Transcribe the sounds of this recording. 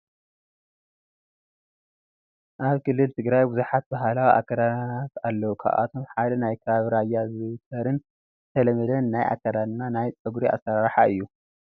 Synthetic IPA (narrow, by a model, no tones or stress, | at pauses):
ʔaβkʰɨlːɨlt̪ʰɨɡɾajbuzuħat̪̚baɦalawiʔa̰kʰːɐd̪at̪alːɐwukʰa̰ʔa̰t̪ʰo̞mħad̪ɐnajkʰɐβaβɾajːazɨt̪ʰɐɾɨn | t̪ʰɐlɐmɐd̪ɐnːajʔa̰kʰːɐd̪anːanajt͡sʼɨɡuɾia̰saɾaɾħaɨjːu